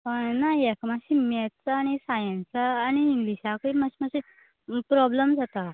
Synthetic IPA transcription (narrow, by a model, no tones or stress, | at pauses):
əɳnajɛkmaɕimɛt̪t͡saːɽ̃isajə̃nsaːñiːŋɡliɕakəimaɕimaɕi | pɾɔbləmd͡zat̪a